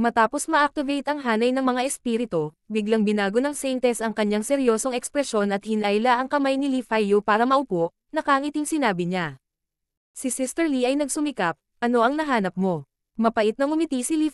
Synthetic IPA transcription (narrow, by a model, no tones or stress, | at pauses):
mɐt̪aːpo̞smɐʔɐk̚t̪ɪvɛjt̪ɐŋɦaːnɐjnɐŋmɐŋaʔɛspiɾɪt̪o | bɪɡlɐŋbɪnaːɡonɐŋsɛjnt̪ɛsɐŋkɐɲːaŋsɛɾjo̞ːsoŋɛkspɾɛʃo̞nɐt̪̚hɪnajlaʔɐŋkɐmajnɪlifajjupaːɾɐmɐʔʊpoʔ | nɐkaːŋɪt̪ɪŋsɪnaːbɪɲa | sisɪst̪ɛɹliʔɐjnɐɡ̚sʊmɪkap̚ʔɐno̞ʔɐŋnɐɦaːnɐp̚mo̞ | mɐpɐʔɪt̪̚nɐŋʊmɪt̪isɪli